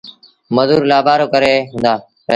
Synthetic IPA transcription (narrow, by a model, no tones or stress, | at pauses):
məzuːɾlaːbʱaːɾoːkəɾeːɦʊ̃nd̪aː | ə